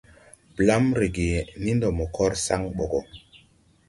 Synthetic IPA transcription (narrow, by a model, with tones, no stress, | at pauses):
pla˦mɾe˨ɡe˨ni˦ndo˨mo˨kʰɔ˦ɾsa˦ŋɓo˨ɡɔ˨